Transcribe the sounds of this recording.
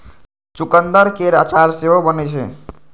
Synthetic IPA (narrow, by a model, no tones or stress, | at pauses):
t͡ʃukənd̪əɾkeɾat͡ʃaɾseɦobənɛt͡ʃʰɛ̰